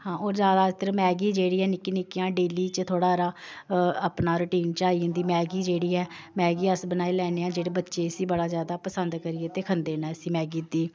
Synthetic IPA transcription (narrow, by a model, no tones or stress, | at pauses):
hãːoːɾzjaːd̪aːt̪əɾmɛːɡiːd͡ʒeːɽiːɛːnɪkinɪkːijãːɖeːliːt͡ʃt̪ʰoːɽaːɾaː | əpnaːɾəʈiːnt͡ʃaːiːʊ̃nd̪iːmɛːɡiːd͡ʒeːɽiːɛː | mɛːɡiːəsbənaːiːlɛːneːãːd͡ʒeːɽeːbətːʃeːɪsiːbəɽaːzjaːd̪aːpəsənd̪kəɾɪeːt̪eːkʰənd̪eːnaːəsĩːmɛːɡiːd̪iː